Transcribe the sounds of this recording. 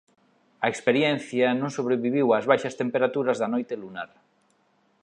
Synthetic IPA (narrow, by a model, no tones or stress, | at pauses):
ɐekspeɾjɛn̟θjɐnõŋsoβ̞ɾeβiβiwazβajʃɐst̪empeɾat̪uɾɐzðɐnojt̪elunaɾ